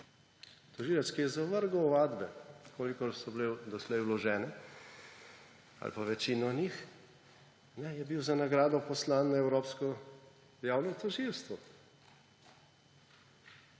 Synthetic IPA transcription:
t̪ɔʒiːlɛskijɛzaʋəɾɡɔːʋaːd̪bɛkʰoːlikɔɾsɔbled̪ɔslɛjwlɔʒɛːnɛ | a̰lpaʋɛt͡ʃinɔnix | nɛjɛbiwzanaɡɾaːd̪ɔpɔslaːnːaɛwɾoːpskɔ | jaːwnɔt̪ɔʒilst̪ʋɔ

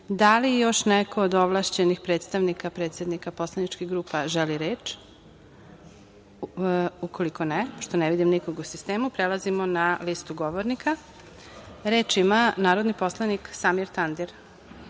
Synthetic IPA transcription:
d̪alijo̞ʃneko̞ːd̪oʋlˠaːʃt͡ɕenixpɾet̪st̪aʋnikapɾe̞ːt̪sje̞d̪nikapo̞slˠanit͡ʃkiɣɡɾuːpaʒeliɾeːt͡ʃ | ukʰo̞liko̞nepoʃt̪oneʋid̪imnikoɡusist̪eːmupɾelazimonalist̪uɡo̞ʋoɾnikʰa | ɾe̞ːt͡ʃimanaːɾo̞d̪nipo̞slˠaniksamiɾt̪and̪iɾ

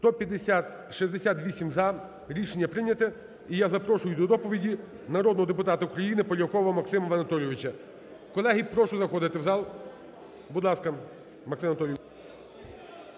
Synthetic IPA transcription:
st̪ɔpʲjɐd̪esʲat̪ | ʃizd̪esʲat̪ʋʲisʲimzɐ | ɾʲiʃenʲːɐpɾɪnʲɐt̪ɪ | ijazɐpɾɔʃʊjʊd̪ɔd̪ɔpɔʋʲidʲi | nɐɾɔd̪nɔɦɔd̪epʊt̪ɑt̪ɐukɾɐjinɪpɔlʲɐɔkɔʋɔɐmɐksɪmɐʋɐnɐt̪ɔlʲɪʋʲɪt͡ʃɐ | kɔlˠɛɦipɾɔʃʊzɐxɔd̪ɪt̪ɪwzɑlˠ | bud̪lˠɑskɐ | mɐksɪmɐnt̪ɔlʲ

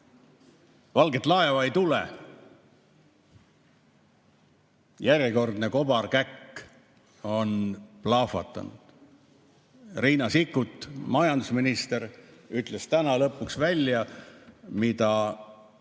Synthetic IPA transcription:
vɑlɡe̞t̪ːˑlɑe̞vɑejt̪ulḛ | jærjeko̞rd̪ne̞ko̞b̥ɑrkækː | o̞nplɑfɑ̰t̪ːˑɑ̰nṵd̪̥ | riːnɑsikːˑut̪ːˑmɑjɑnd̪̥usminist̪e̞ɾyt̪ˑle̞st̪ænɑlɤpːˑuksvælʲjɑ | mit̪ɑ

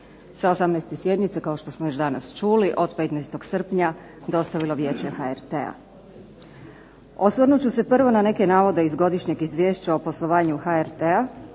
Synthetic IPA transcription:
saosamnɛjst̪esje̞d̪nit̪se̞kaoʃt̪o̞smojo̞ʃd̪ana̰st͡ʃuːliʔo̞d̪pe̞t̪nɛjst̪o̞ɡsr̩pɲa | d̪o̞st̪aʋilo̞ʋje̞ːt͡ɕe̞xaeɾt̪ḛa̰ | osʋərɾnut͡ɕuse̞pr̩ʋo̞nane̞ke̞naːʋo̞d̪e̞izɡo̞d̪iʃɲe̞ɡizʋʲjeːʃt͡ɕaopo̞slˠo̞ʋaːɲuxaeɾt̪ea

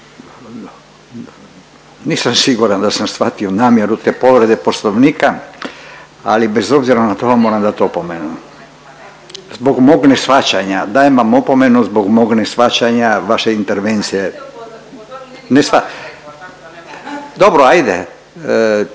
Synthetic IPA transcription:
niːsamsiɡuɾand̪asamsfat̪io̞naːmjeɾut̪e̞ːpo̞ʋɾed̪eposloʋniːka | a̰libezo̞bziɾanat̪o̞ʋamo̞ːɾamd̪at̪opomenu | zboɡmoɡnesfat͡ɕaɲad̪ajemʋamopome̞nuzboɡmoɡnesʋat͡ɕaɲaʋaʃeint̪eɾʋent̪sije | nesʋa | d̪o̞bɾoajd̪e

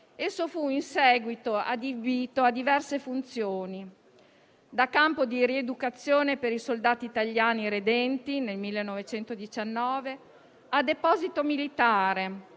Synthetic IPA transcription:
esːofuinsɛːɡwit̪oa̰d̪ibiːt̪oad̪ivɛrsefunt̪sjoːni | d̪akːampod̪iɾied̪ukat̪sːjoːnepeɾisold̪aːt̪iːt̪aʎːjaːniɾed̪ɛnt̪inelmilːenːɔvet͡ʃɛnt̪od̪it͡ʃanːɔːve | ad̪epɔːzit̪omilit̪aːɾe

